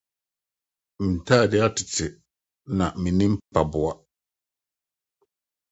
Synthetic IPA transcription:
mi˨ta˦˨dɪ˦a˦ti˨tɪ˨ | na˨mi˨ni˦m˦pa˨bʊ˨a˦

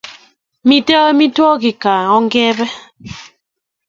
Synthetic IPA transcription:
mi˦tə˦mi˦twɔ˦ki˨ka˨ɔ˦ŋɡɛ˦bɛ˦

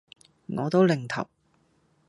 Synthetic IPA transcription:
ŋɔː˨˧t̪o˥wlɪ˨˩ŋt̪ʰɐ̰˨˩w

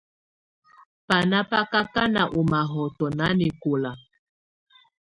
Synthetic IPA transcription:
pa˨na˦pa˦ka˦ka˦na˨ʔu˨ma˨ɦɔ˨tɔ˨na˨˦ni˨ko˨la˨

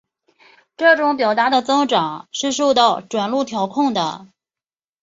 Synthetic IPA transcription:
ʈ͡ʂɤ˥˩ʈ͡ʂʊ˧˥ŋpjɑ˨˩ʊt̪a˧˥d̪ə˧˨t͡sɤ˥ŋʈ͡ʂɑ˨˩˦ŋʂɻ̩˥˧ʂo˥˧ʊt̪ɑ˥˩ʊʈ͡ʂwa˨˩nlu˥˩t̪ʰjɑ˧˥ʊkʰʊ˥˩ŋd̪ə˩

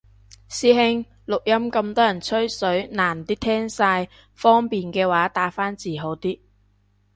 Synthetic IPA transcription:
siː˨˥ɦɪ˧ŋ | lʊ˨k̚jɐ˥mkɐ˧mt̪ɔː˥jɐ˨˩nt͡sʰɵ˥ɥsɵ˨˥ɥnaː˨˩nt̪iː˥t̪ʰɛː˥ŋsaː˧j | fɔː˥ŋpiː˨nkɛː˧waː˨˥t̪aː˨˥faː˥nt͡siː˨˩ɦo˨˥wt̪iː˥

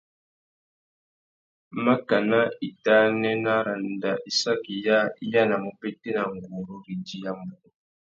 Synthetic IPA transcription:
ma˦ka˨na˦i˨ta˦nɛ˦na˦ɾa˨nda˨ʔi˨sa˦ki˨ja˦i˦ja˦˨na˨mu˨pe˦te˦na˨ŋɡu˨ɾu˦ɾi˨d͡ʒi˦ja˦mu˨ɾu˦

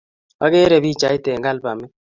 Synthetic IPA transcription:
wa̰˦ɡɛ˦ɾɛ˨bi˦˨t͡ʃa˨ɪ˦tɛ˨ŋɡa˦lpa˨mɪ˦

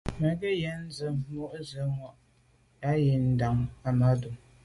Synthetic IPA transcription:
mɛ˨ɡɛ˦jɛ˨˦n̩˦zə˨˦mo˦ʔzə˨˦ŋwa˦ʔ | a˦je˨n̩˦da˨ŋa˨ma˦du˨ŋ

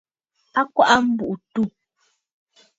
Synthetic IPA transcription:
a˦kwa˦ʔa˦m̩˦bu˨ʔu˨tu˦˨

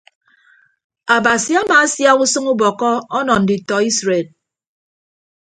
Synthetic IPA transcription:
a˨ba˨si˨˦a˦maː˨˦sja˦ɣu˦sɨ˦ŋu˦bɔ˨kɔ˦ɔ˦nɔ˨n̩˨di˨tɔ˨i˦sɾe˨d̚

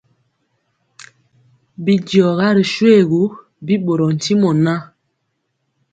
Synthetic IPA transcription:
bi˨djɔ˨ɣa˦ɾi˨ʃu˦e˦˨ɡu˨˦ | bi˦ɓo˨ɾɔ˨n̩˨ti˦mɔ˨na˦

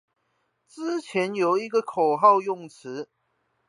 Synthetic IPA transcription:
t͡sɹ̩˥t͡ɕʰjɛ˨˦njo˨˦ʊi˧˦˥ɡə˨kʰo˨˩ɦɑ˥˧ʊjʊ˥˩ŋt͡s̩ʰ˨˧˦

